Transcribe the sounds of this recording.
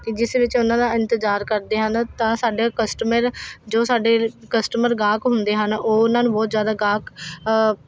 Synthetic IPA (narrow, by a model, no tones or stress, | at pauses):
kɪd͡ʒɪsʋɪt͡ʃʊnãːd̪aːɪ̃nt̪ɪzaːɾkəɾd̪eːɦənt̪ãːsaːɖaːkəsʈəməɾd͡ʒoːsaːɖeːkəsʈəməɾɡaːkɦʊnd̪eːɦənoːʊnãːnũːbɔːt̪zjaːd̪aːɡaːk